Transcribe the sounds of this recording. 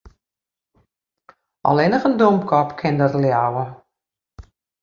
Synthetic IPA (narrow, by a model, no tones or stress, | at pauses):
ʔɔ̰lɪnəχəndomkʰɔpkʰɪndərljawə